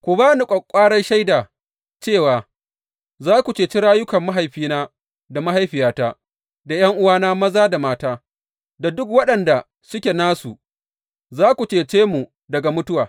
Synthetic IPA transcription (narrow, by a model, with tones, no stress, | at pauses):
kʷʊ˨baː˦ni˨kʷʼɐ˨kʷʼːaː˦ɽɐ˦nʃa˦jdaː˨ | t͡ʃeː˦˨waː˨ | zaː˦kʷu˨t͡ʃeː˨t͡ʃi˦ɽaː˦jʊ˦kɐ˨mːa˦ɦa˨jɸiː˦naː˦ | da˨ma˦ha˦jɸɪ˨jaː˦taː˦ | da˨j̰ɐ˦ŋʔʊ˦waː˦naː˦mɐ˦zaː˦da˨maː˦taː˦ | da˨dʊ˦kwɐ˦ɗɐ˨nda˨ | sʊ˦kʲe˨naː˦su˨ | zaː˦kʷu˨t͡ʃeː˨t͡ʃeː˦mu˨ | dɐ˨ɡa˨mʊ˦tʊ˦waː˨